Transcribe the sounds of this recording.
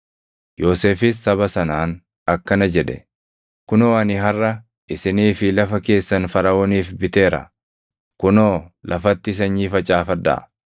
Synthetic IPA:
joːseːfɪsːɐβɐsɐnaːn | ɐkːɐnɐd͡ʒɛᶑɛ̰ | kʊnoːɐnɪɦɐrːɐ | ʔɪsɪniːfɪlɐfɐke̞ːsːɐnfɐɾɐoːniːfbɪt̪e̞ːɾɐ̰ | kʊnoːlʔɐfɐt̪ːɪs̬ɐɲːiːfɐt͡ʃʼaːfɐd̪ːɐ̰ʔ

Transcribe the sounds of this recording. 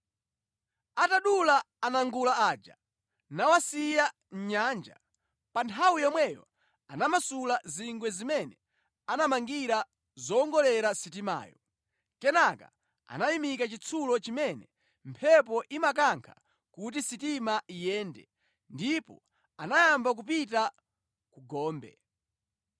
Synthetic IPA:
ataɗulaː | naŋɡulaaːd͡ʒa̰ | nawasija | ɲ̩ɲaːnd͡ʒa̰ | pantʰawuijɔmwɛjɔ̰ | anamasulaziŋɡwɛzimɛnɛ | anamaŋɡiɾa | zɔːŋɡɔlɛɾasitima̰ːjɔ | kɛnaka̰ | a̰najimikat͡ʃit͡sʰulɔt͡ʃimɛnɛ | mpʰɛp̬ɔʔimak̬aŋkʰḁ | kut̬isitimaijɛːndɛ̰ | ndipɔ | anajambak̬upit̬a | kuɡɔːmbɛ̰

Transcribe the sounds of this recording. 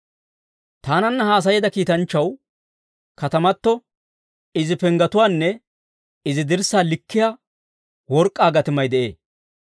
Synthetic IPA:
t̪aːnɐnːɐhaːs̬ɐjɛd̪ɐkiːt̪ɐnt͡ʃːɐw | kɐt̪ɐmɐt̪ːɔ | ɪzɪpɛŋɡɐt̪ʊwaːnːɛ | ɪzɪd̪ɪɾsaːlɪkːɪja | wɔɾkʼːaːɡɐt̪ɪmɐjd̪ɛʔḛː

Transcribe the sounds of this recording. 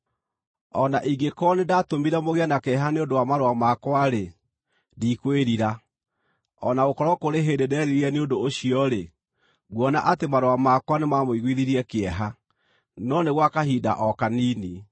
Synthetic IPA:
ɔnaʔiɡekɔnedatomiɾamoɣeanakɛɦaneondowamaɾwamakwaɾe | diːkweɾiɾa | ɔnaokɔɾɔkoɾeɦendedɛɾiɾiɛneodoːɕiɔɾe | ɣwɔna̰ʔatemaɾoamakwanemamoiɣwiðiɾiɛkeɛɦa | nɔneɣwakaɦiːda̰ʔɔkaniːni

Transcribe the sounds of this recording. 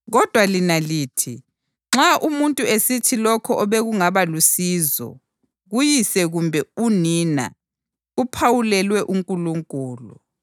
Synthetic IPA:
ɣɔd̥ʱwalinaliːtʰi | ŋ͡ǁaʔumuntʼuesitʰilɔkʰɔʔɔβɛɣuŋaβalusizɔ̰ | ɣujisɛɣumbʱɛuniːna̰ | upʰawulɛlwɛʔuŋkʼuluŋkʼuːlṵ

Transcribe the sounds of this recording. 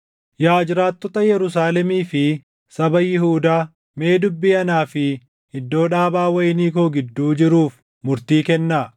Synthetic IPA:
jaːd͡ʒɪɾaːt̪ːɔt̪ɐjɛɾʊs̬aːlɛmiːfɪ | sɐbɐjɪhuːd̪aː | me̞ːd̪ʊbːiːɐnaːfɪ | hɪd̪ːo̞ːᶑaːbaːwɐjɪniːkoːɡɪd̪ːuːd͡ʒɪɾuːf | mʊɾt̪iːkɛnːaː

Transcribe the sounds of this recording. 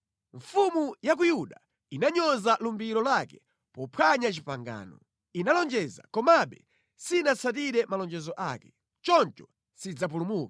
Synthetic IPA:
ɱfumujak̬ujuɗa | inaɲɔzalumbiɾɔlakɛ | pɔpʰwaɲat͡ʃipaŋɡa̰ːnɔ | inalɔnd͡ʒɛza̰kɔmaɓɛ̰ | sinasat̬iɾɛmalɔnd͡ʒɛzɔʔakɛ̥ | t͡ʃɔnt͡ʃɔ | sid͡zap̬ulumuːkḁ

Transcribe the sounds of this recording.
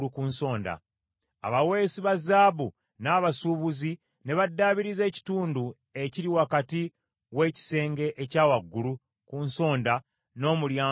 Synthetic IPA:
ukuːnso̞ːnda̰ | a̰βawe̞ːsiβazaːβu | naːβasuβuzi | ne̞βadːaːβiɾize̞ːci̥tuːndu | e̞ciɾiwakati | we̞ːci̥se̞ːŋɡe̞ʔecaːwaɡːulu | kunso̞ːnda | no̞ːmuljaː

